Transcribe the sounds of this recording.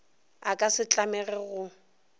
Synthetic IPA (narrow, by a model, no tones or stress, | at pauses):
akʼasɪt͡ɬʼamɛɣɛɣʊ